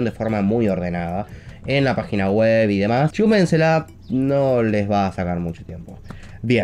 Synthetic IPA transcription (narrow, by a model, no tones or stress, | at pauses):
ond̪efo̞ɾmamujo̞ɾð̞e̞naðaenlapaxinaɣweβiðe̞mast͡ʃumensela | nolezβaːsakaɾmut͡ʃot̪je̞mpo̞ | bje